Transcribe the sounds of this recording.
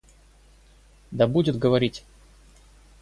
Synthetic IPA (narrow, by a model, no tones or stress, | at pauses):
d̪ɐbudʲɪt̪ɡəvɐɾʲitʲ